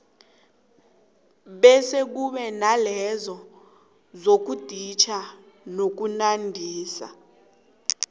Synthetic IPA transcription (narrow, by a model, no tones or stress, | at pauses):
ɓɛsek̬uɓɛnalɛzɔ | zok̬ud̥ʱit͡ʃʰa | nok̬unandʱiːsa̰